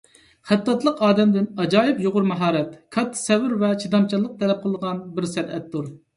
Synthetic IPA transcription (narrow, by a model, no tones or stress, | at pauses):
χæt̪ːɑt̪lˠəqɑːd̪ɛmd̪ɪnɑd͡ʒɑːjɪpjoʁʊɾmɑɦɑːɾɛt̪kʰɑt̪ʰːsɛvɪɾvɛt͡ʃʰid̪ɑmt͡ʃʰɑlˠːəq̚t̪ʰɛlɛp̚qʰəlˠəʁɑnbɪɾsæɾɛt̪ːuɾ